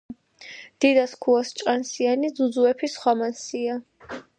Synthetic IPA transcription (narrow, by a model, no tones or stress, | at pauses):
d̪̥id̪askʰuast͡ʃʼqʼansianid̪zud̪zuɛpʰisχwamansia